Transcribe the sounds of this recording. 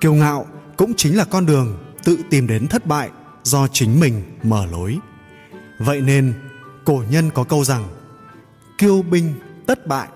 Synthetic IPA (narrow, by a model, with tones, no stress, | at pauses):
ki˧əwŋa̰ː˧˨wkʊ̰˧˥ŋ͡mt͡ɕï˨˦ŋ̟laː˨˩kɔ˧nɗɨ˨˩əŋt̪ɨ̰˧˨t̪i˨˩mɗe˨˦nt̪ʰə˦˥t̚ɓa̰ː˧˨j | zɔ˧t͡ɕï˨˦ŋ̟mï˨˩ŋ̟məː˧˩lo˨˦j | və̰˧˨jne˧nko˧˩ɲə˧nkɔ˨˦kə˧wza˨˩ŋ | ki˧əwɓï˧ŋ̟t̪ə˦˥t̚ɓa̰ː˧˨j